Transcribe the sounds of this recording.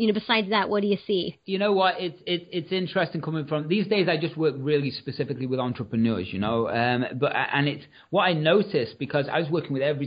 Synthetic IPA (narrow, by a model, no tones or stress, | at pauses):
jɨnoʊbɨsaɪdzðəʔwʌʔ̚d̥ɨjɨsijɨnoʊwʌtɪtsɪtɪtsɪ̃nt͡ʃɹ̥ɛstɪ̃ŋkʰʊ̃mɪ̃ŋfɹʌ̃mðiːzdeɪzaɪd͡ʒʌst̚wɜˑk̚ɹɪːlˠispɨsɪfɪkliwɪðɑ̃ntɹ̥əpɹənɜ̰ːzjənoʊʌ̃mbʌʔə̰ʔə̰̃nɪts | wʌɾaɪnoʊtɪsb̥ɨkʰʌza̰ɪwʌzwɜˑkɪ̃ŋwɪðɛvɹi